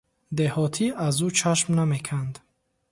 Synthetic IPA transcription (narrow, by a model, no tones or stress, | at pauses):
d̪ehɔt̪ʰiazut͡ʃʰaʃmname̞kʰand̪